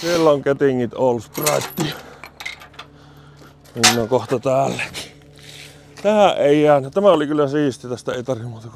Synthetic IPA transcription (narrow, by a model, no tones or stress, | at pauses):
sielːoŋket̪iŋːit̪oːˑlːusp̪rɑˑet̪ːiɑ | niːnːokoht̪ɑt̪æːlːæki̥ | t̪æhæʔʔeˑijæːnːæt̪æmæolikylːæsiːst̪it̪æst̪æeˑit̪ɑrʋimmuːt̪ɑk